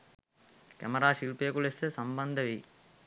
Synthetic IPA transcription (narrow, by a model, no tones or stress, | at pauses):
kæ̰mɐɾaːʃilpəjəkulesəsɐmbɐnd̪əʋi